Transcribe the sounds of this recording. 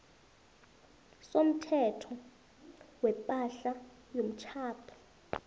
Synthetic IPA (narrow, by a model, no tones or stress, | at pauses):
som̩tʰɛtʰɔ | wɛpʼaɬa | jom̩t͡ʃʰaːpʰɔ̥